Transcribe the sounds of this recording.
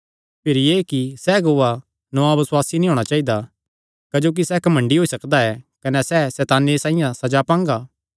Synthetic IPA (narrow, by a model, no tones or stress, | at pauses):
pʰɪɾijeːkisɛɡoːʋa | nɔabɪswaːsinĩɦoːɽ̃at͡ʃaːid̪a | kɐd͡ʒoːk̬isɛkɐmɐ̃ɳɖiɦoːisɐkd̪aɛkɐnɛsɛsɛːt̪aːnesãːĩjãsɐd͡ʒapãːŋɡaː